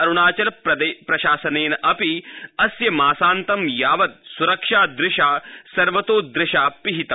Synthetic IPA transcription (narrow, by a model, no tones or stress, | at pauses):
ɐɾuɳaːt͡ʃɐlɐɐd̪epɾɐʃaːsɐneːnɐʔɐpiɐsjɐmaːsaːnt̪ɐmjaːʋɐt̪̚suɾɐkʂaːd̪ɾɪʂaːsɐɾʋɐt̪oːd̪ɾɪʃaːpiɦit̪ɐm